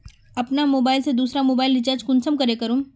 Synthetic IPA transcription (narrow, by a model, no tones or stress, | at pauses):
ɐpnamoːbaːɪlsed̪uːsɾamoːbaːɪlɖɪt͡ʃaːɾd͡ʒkʊnsəmkɐɾekɐɾũː